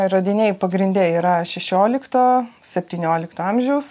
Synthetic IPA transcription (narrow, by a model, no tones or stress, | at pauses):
ɾɐd̪ʲɪnʲeːjpɐɡɾʲɪnʲd̪ʲɛːiːɾɐʃʲɛʃʲoːlʲɪkt̪oːsʲɛpʲt̪ʲiːnʲoːlʲɪkt̪oːɐmʲʒʲɛʊs